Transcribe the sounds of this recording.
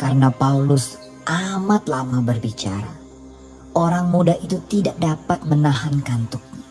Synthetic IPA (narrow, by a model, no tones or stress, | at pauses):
kaɾənapaulʊs | ʔamat̪lamabərbit͡ʃa̰ɾa | ʔoɾaŋmudaɦit̪ut̪idaʔ̚dapat̪̚mənaɦankant̪ʊk̚ɲa